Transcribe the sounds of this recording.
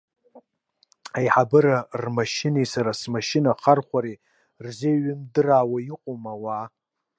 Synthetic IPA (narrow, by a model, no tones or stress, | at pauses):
ajħabɨɾarmaʃɪnejsaɾasmaʃɪnaχarχʷaɾi | rzeɥɪmdɨrawaiqʷʼomawa